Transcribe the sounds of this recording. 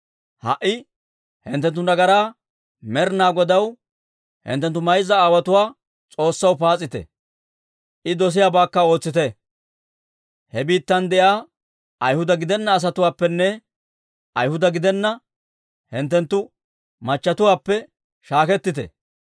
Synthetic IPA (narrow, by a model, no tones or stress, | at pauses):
hɐ̰ʔɪ | hɪnt̪ːɛnt̪̬ːʊd̪ɐɡɐɾaː | mɛɾnaːɡɔd̪ɐw | hɪ̰nt̪ːɛnt̪ːʊmɐjzɐaːwɐt̪ʊwaː | t͡sʼo̞ːsːɐwpaːt͡sʼːɪt̪ɛ̰ | ʔɪd̪ɔs̬ɪjaːbaːkːɐo̞ːt͡sːɪt̪ɛ | hɛbiːt̪ːɐnd̪ɛʔjaː | ɐjhʊd̪ɐɡɪd̪ɛnːɐːs̬ɐt̪ʊwaːpːɛnːɛ | ʔɐjhʊd̪ɐɡɪd̪ɛnːɐ | hɪnt̪ːɛnt̪ːʊ | mɐt͡ʃːɐt̪ʊwaːpːɛ | ʃaːkɛt̪ːɪt̪ɛ̰